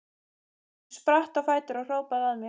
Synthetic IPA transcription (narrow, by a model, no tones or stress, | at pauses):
spɾaht̪afaːjt̪ʏɾaɣr̥oːwpaðaðmɪ